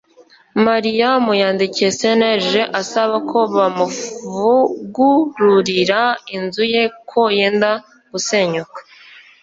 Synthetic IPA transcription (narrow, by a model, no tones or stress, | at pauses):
maɾijamujaːndicijese̞neʒe̞ʔasaβakʰo̞βamuvuɡuɾuɾiɾainzuje̞kʰo̞jeːnda | ɡ̥use̞ɲukḁ